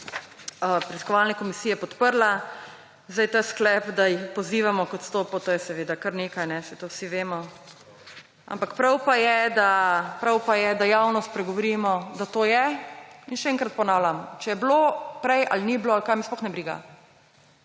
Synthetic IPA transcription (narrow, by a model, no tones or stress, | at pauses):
əpɾɛt̪i̥skɔʋalnɛkɔmisiːjɛpɔt̪pəɾla | zd̪ajt̪asklɛpd̪ajixpɔziːʋamɔkɔt̪st̪oːpot̪oːjɛsɛʋeːd̪akɐɾneːkajnɛsɛt̪owsiʋeːmɔ | a̰mpakpɾawpajɛd̪apɾawpajɛd̪ajawnɔst̪̚pɾɛɡɔʋɔɾiːmɔd̪at̪oːjɛinʃɛɛŋkɾat̪̚pɔnaːwlʲamɔt͡ʃɛjɛblopɾɛjʔa̰lnibloalkajmisplɔxnɛbɾiːɡa̰